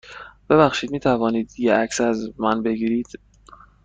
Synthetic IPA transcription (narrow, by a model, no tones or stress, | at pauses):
b̥e̞βæxʃiːd̪̚miːt̪ʰævɒːniːd̪jeæcsæzmænbeɡiːɾiːd̪̥